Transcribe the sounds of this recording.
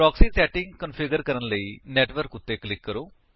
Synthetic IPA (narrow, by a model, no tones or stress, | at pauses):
ɔːksiːsɛːʈɪŋɡkənpʰɪɡəɾkəɾənləiːnɛːʈʋəɾkʊt̪ːeːklɪkːəɾoː